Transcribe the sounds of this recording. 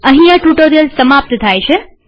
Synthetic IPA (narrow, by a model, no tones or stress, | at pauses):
əɦĩjãʈuʈoɾijəlsəmap̚t̪ət̪ʰajt͡ʃʰe